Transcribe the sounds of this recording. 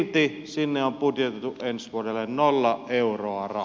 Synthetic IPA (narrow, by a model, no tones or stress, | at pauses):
lt̪i | sinːeomput̪jet̪et̪uʔʔensʋuodelːennolːɑʔʔeuroɑrɑ